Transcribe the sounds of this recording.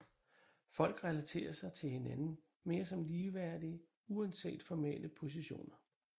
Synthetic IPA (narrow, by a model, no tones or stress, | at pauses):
fɒ̽l̰ɡ̥ʁɛlæt͡sʰe̝̰ːɐsɑ̈ɪt͡sʰe̝lhe̝nænn̩ | me̝ːɐsɒ̽mliːʋæɐ̰d̥iə | uænse̝̰ːd̥fɒmḛlʔəpʰo̝s̬iɕo̝̰ːnɐ